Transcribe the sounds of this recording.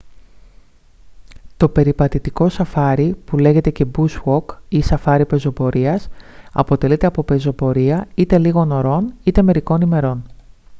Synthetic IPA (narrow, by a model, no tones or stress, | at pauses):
t̪o̞pe̞ɾipɐt̪it̪iko̞sɐfɐɾipule̞ʝe̞t̪e̞ce̞buswo̞kisɐfɐɾipe̞zo̞po̞ɾiɐsɐ̰po̞t̪e̞lit̪e̞ɐpo̞pe̞zo̞po̞ɾiɐit̪e̞liɣo̞no̞ɾo̞nit̪e̞me̞ɾiko̞nime̞ɾo̞n